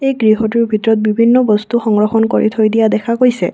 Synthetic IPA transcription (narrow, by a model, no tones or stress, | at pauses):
ejɡɹiɦɔtuɹbʱitɹɔt̪̚bibʱinːɔbɔst̪uxɔŋɹɔxɔnkoɹḭt̪ʰojdijad̪ɛkʰakoɹjsɛ̰